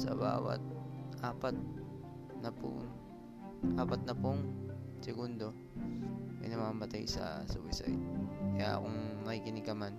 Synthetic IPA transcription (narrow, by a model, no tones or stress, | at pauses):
sɐ̰ba̰ːwɐ̰t̪̚ʔaːpat̪̚ | nɐpʊ̰ŋ | ʔaːpɐt̪̚nɐpʊŋsɪɡund̪o | mɪ̰nɐmaːmɐt̪ajsɐ̰sɐwɪ̰sa̰jt̪̚kɐja̰ʔɐ̰koŋmɐkikɪnɪkɐman